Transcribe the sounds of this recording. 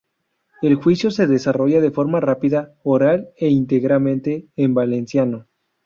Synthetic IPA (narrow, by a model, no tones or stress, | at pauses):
e̞lxwisjo̞se̞ðe̞saro̞ʝaðe̞fo̞ɾmarapiðaoɾale̞int̪e̞ɣɾalmẽnt̪e̞ːmbale̞nsjano